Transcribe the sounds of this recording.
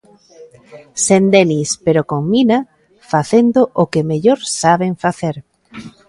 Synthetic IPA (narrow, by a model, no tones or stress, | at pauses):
send̪enispeɾokoŋmina | faθend̪oʔokemeʎoɾsaβeɱfaθeɾ